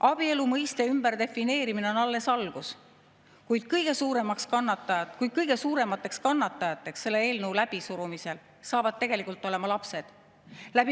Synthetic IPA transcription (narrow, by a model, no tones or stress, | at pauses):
ʔɑb̥ie̞lumɤjst̪e̞ymb̥æɾd̪e̞fine̞ːɾimineo̞nɑlːe̞sɑlɡ̥us | kujd̪̥kɤjɡ̥e̞suːɾe̞mɑkskɑnːɑt̪ːˑɑjɑkujd̥̪̚kɤjɡ̥e̞suːɾe̞mɑt̪ːˑe̞kskɑnːɑt̪ːˑɑjɑt̪ːˑe̞ksːe̞lːee̞ːlnəwlæb̥isuɾumise̞l | sɑːvɑd̪̥̚t̪e̞ɡ̥e̞likult̪ːˑo̞le̞mɑlɑpse̞d̪̥ | læb̥i